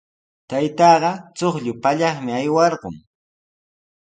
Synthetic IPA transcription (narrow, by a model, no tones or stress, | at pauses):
t̪ajt̪ɑːɢɑt͡soχʎʊpaʎɑχmɪajwɑɾɢʊ̰ŋ